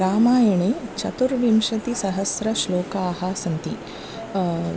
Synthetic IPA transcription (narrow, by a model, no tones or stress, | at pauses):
aːmaːjɐɳet͡ʃɐt̪uɾʋimʂɐt̪isɐɦɐsɾɐʃloːkaːɦasɐnt̪i